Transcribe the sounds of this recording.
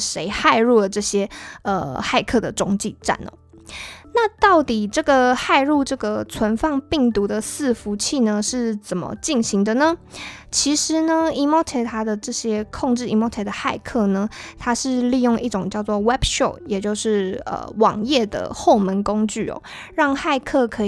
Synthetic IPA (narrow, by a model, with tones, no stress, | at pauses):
ʂe˧˥ɪxa˥˧ɪɻu˥˩lə˩ʈ͡ʂɤ˥˩ɕjɛ˥ə̰˧xa˥˧ɪkʰɤ˥˩d̪ə˩ʈ͡ʂʊ˥ŋt͡ɕi˥˧ʈ͡ʂa̰˥˩nɔ̰˨˩ | na˥˧t̪ɑ˥˩ʊt̪i˨˩ʈ͡ʂɤ˥˩ɡə˩xa˥˧ɪɻu˥˧ʈ͡ʂɤ˥˩ɡə˩t͡sʰwə˧˦nfɑ˥˧ŋpi˥˩ŋt̪u˧˥d̪ə˨sɹ̩˥˩fu˧˥t͡ɕʰi˥˩nə˨ʂɻ̩˥˩t͡sə˨˩nmə̰˦t͡ɕi˥˩nɕi˧˥ŋd̪ə˧nə˩t͡ɕʰi˧˥ʂɻ̩˧˦nə˧i˥mɔ˥t̪ʰe˧˩t̪ʰa˥d̪ə˨ʈ͡ʂɤ˥˩ɕjɛ˥kʰo˥˧ŋʈ͡ʂɻ̩˥˩i˧˥mɔ˧˥t̪ʰe˧˩d̪ə˨˩xa˥˧ɪkʰɤ˥˩nə˩t̪ʰa˥ʂɻ̩˥˧li˥˧jʊ˥˧ŋʔi˥˩ʈ͡ʂʊ˨˩ŋt͡ɕjɑ˥˧ʊt͡swɔ˥˩wɛ˥bʂɔ˥˩jɛ˨˩t͡ɕjo˥˧ʊʂɻ̩˥˩ə̰˨˩wɑ̰˨˩ŋjɛ˥˩d̪ə̰˩xo˥˩ʊmə˧˦nko˥ŋt͡ɕy̰˥˩ɔ̰˨˩ | ɻɑ˥˧ŋxa˥˧ɪkʰɤ˥˩kʰɤ˧˥